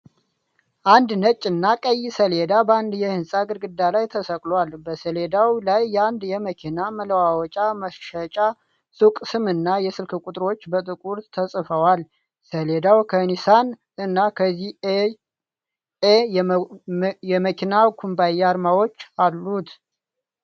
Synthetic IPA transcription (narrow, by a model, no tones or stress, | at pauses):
ʔand̪nət͡ʃʼːɨnːakʼəjːsəled̪abəand̪jɛhɨnsʼaɡɨɾɡɨd̪ːalajt̪ʰəsəkʼlwalbəsəle̞d̪awlajːɛand̪jɛməkʰinamələwawɔt͡ʃʼaməʃʃət͡ʃʼa | sukʼsɨmɨnːajɛsɨlkʰɨkʼut̪ʼɾo̞t͡ʃːbət̪ʼɨkʼuɾt̪ʰəsʼfəwal | səled̪awkʰənisan | ɨnːakʰəzːih | e | jɛməkʰinakʰumbajaɾmawo̞t͡ʃːalːut̪